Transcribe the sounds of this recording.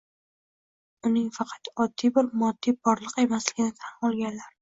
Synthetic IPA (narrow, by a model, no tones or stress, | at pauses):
ʊnɪŋfɑqʰɑt̪ɒd̪ːibɪɾmɒd̪ːibɒɾlˠɨqe̞maslɪɡʲɪnɪt̪ʰanɒlˠɡʲanlaɾ